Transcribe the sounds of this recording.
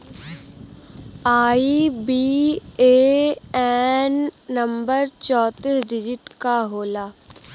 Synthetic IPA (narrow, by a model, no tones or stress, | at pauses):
aːibiːeːɛnːɐ̃mbəɾt͡ʃɔːt̪isɖɪd͡ʒɪʈkaɦoːlaː